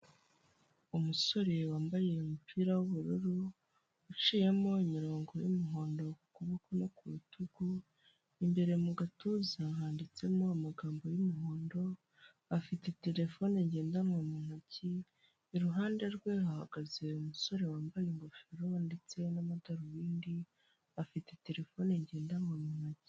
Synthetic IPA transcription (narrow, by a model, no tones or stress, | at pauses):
umuso̞ɾe̞waːmbaje̞umupʰiːɾawuβuɾuɾu | ut͡ʃije̞mo̞imiɾo̞ːŋɡo̞jumiɦo̞ːndo̞kukuβakono̞kuβutʰuɡu | imbe̞ɾe̞muɡatuzaɦaːndit͡se̞mo̞amaɡaːmbo̞jumuɦoːndo̞ | afite̞te̞ɾe̞fo̞neɲɟe̞ːndamŋomunaciː | ɾuɦaːnde̞ɾɡwe̞hahaɡaze̞umuso̞ɾe̞waːmbajeŋɡofiɾo̞nde̞t͡se̞namadaɾuβiːndi | afite̞te̞ɾe̞fo̞ːneɲɟe̞ːndamŋamunaci̥